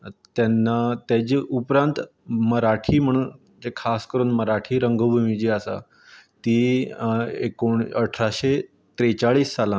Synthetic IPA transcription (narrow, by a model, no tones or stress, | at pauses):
t̪janːat̪jad͡ʑiːʔupɾãnt̪ | məɾaʈʰiːm̤əɽ̃uːn | d͡ʑekʰaskəɾuːnməɾaʈʰiːɾəŋɡəbʱumid͡ʑiːasa̰ | t̪iː | ekoɳəʈʰɾaɕe | t̪ɾet͡saɭiːsːalã